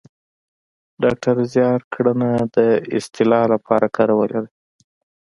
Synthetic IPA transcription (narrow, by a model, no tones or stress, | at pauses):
ɖɑk̚ʈʰaɾzjɑɾkɽənad̪əɪst̪ʰɪlɑlapɑɾakɑɾawəlaɾi